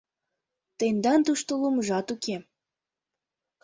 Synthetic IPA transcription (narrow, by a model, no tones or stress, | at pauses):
t̪end̪ɑnt̪uʃt̪oluməʒɑt̪uke